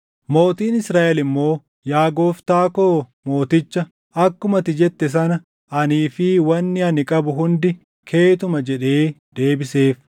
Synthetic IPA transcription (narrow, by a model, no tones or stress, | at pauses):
mo̞ːt̪iːnɪsɾaːʔɛlɪmːo̞ː | jaːɡo̞ːft̪aːkoːmo̞ːt̪ɪt͡ʃːɐ | ɐkːʊmɐt̪ɪd͡ʒɛt̪ːɛs̬ɐnɐ | ʔɐniːfɪwɐnːɪɐnɪkʼɐbʊɦʊnd̪ɪ | kʰe̞ːt̪ʊmɐd͡ʒɛᶑe̞ːd̪̥e̞ːbɪse̞ːf